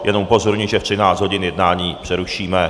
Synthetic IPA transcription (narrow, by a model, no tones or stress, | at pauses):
jʔɛnomupo̞zoɾɲiːʒɛft̪r̥ɪnaːt͡sd̪ɦo̞ɟɪnjɛdnaːɲiːpr̝̥ɛɾuʃiːmɛ